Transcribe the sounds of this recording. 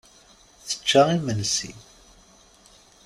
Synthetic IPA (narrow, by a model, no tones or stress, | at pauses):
θə̥t͡ʃːaimənsḭ